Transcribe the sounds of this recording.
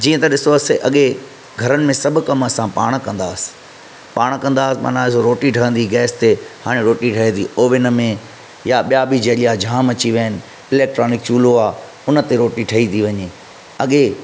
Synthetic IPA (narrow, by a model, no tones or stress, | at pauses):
d͡ʑiːə̃t̪ɐɗɪsoɐseʔɐɠe | ɡʱɐɾənɪ̆mẽsɐbʱʊ̆kɐmɐsãpa̰ːɽ̃kɐ̃nd̪aːsɪ̥ | paːɽ̃kɐ̃nd̪aːsɪmɐ̰naːsoɾoːʈiʈʰɐɦə̃nd̪iɡɛːst̪ehaːɽ̃eɾoːʈiʈʰɐɦẽt̪ʰiːoːʋɪnəmẽ | jaɓijabid͡ʑeːlijad͡ʑʱaːmɐt͡ɕiʋiəənɪ̆ | ɪlɛːk̚ʈɾoːnɪkt͡ɕuːloaː | ʊnə̆t̪eɾoːʈiʈʰɐɦit̪ʰiʋɐɲeː | ɐɠe